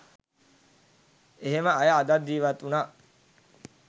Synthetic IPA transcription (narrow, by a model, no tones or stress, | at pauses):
eɦeməajəːd̪at̪d̪ːiːʋat̪ːunaː